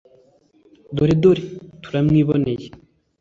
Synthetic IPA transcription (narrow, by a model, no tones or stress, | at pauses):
d̪oɾid̪oɾit̪ʰu̥ɾamŋiβoneji